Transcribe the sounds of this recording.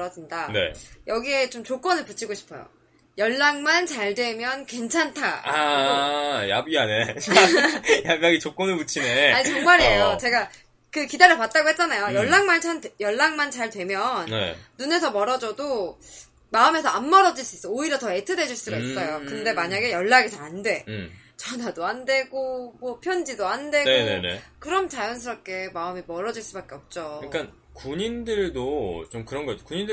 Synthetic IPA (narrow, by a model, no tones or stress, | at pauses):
ɾʌd͡ʑindane̞̰jʌɡie̞t͡ɕomt͡ɕok͈wʌnɯɭput͡ɕʰiɡoɕʰi̥pʰʌjo̰ | jʌɭːaŋmant͡ɕaɭdwe̞mjʌnkwe̞nt͡ɕʰantʰaa | ja̰biane | jabjaɡit͡ɕok͈ʌnɯɭput͡ɕʰineaɲit͡ɕʌŋmaɾɦejot͡ɕe̞ɡa | kɯkidaɾɯpat̚t͈aɡohet̚t͡ɕ͈anajojʌɭːaŋmant͡ɕʰanjʌɭːaŋmant͡ɕaɭdwe̞mjʌnnḛːune̞sʰʌmʌɾʌd͡ʑʌdo | maɯme̞sʰʌanmʌɾʌd͡ʑiɭs͈uis͈ʌoiɾjʌtʌe̞tʰɯde̞d͡ʑiɭs͈uɡais͈ʌjokɯnde̞maɲaɡe̞jʌɭːaɡesʰʌandwe̞t͡ɕʌnadoande̞ɡomwʌpʰjʌnd͡ʑidoande̞nɡeon̰nḛkɯɾʌmt͡ɕajʌns̬ʰɯɾʌp̚k͈e̞maɯmimʌɾʌd͡ʑiɭs͈ubak͈e̞ʌp̚t͡ɕ͈oɯk͈an | kuɲindɯɭdot͡ɕomkɯɾʌnɡʌiokuɲindɯ